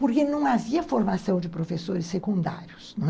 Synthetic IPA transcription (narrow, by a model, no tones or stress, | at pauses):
poɾkenɐ̃w̃aviɐfoɾmasɐ̃w̃d͡ʒɪpɾofesoɾɪsːekũnd̪a̰ɾjʊsnɐ̃w̃